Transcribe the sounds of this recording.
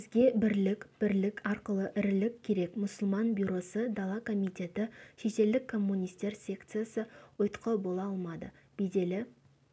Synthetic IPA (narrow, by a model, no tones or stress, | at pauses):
ɪzɡʲe̞bɪɾlɪkb̥ɪɾlɪkʲɑɾqəlˠəʔɪɾɪlɪkʲkʲʰːe̞ɾe̞kmʊsəlˠmɑnbʲjuɾo̞səd̪alˠɑkʰo̞mijt̪ʲe̞t̪ɪʃet̪e̞ld̪ɪkʰːo̞mːunʲijst̪e̞ɾsʲe̞kt̪sɨjasəwʊjt̪qʰəbo̞lˠɑɑlˠmɑd̪ə | b̥ejd̪e̞lɪ